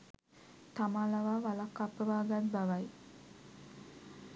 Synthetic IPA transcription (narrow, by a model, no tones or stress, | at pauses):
t̪amaːlaʋaːʋalakːapəʋaːɡat̪baʋaj